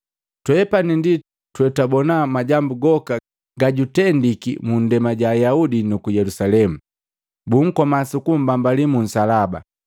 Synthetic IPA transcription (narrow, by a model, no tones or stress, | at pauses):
twɛpanindi | twɛtabɔnamaɟambuɡɔka | ɡaɟutɛndikḭmun̩dɛmaɟaːjaudinukujɛlusalɛmu | buŋ̩kɔmasukum̩bambalimun̩salaba̰